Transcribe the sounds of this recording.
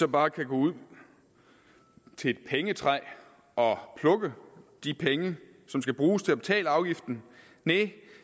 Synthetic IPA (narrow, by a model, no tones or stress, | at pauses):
sɒ̽b̥ɑ̈ːkʰæɡ̥ɔːuð̰ˠ | t͡sʰe̝ed̥̚pʰeŋət͡sʰʁɑɪ̰ | ɒ̽pʰlɔ̽ɡ̥əd̥ipʰeŋə | sɒ̽msɡ̥æb̥ʁuːst͡sʰe̝æb̥e̝t͡sʰɛ̰ːləɑ̈ʊɡ̥ifd̥n̩ | ne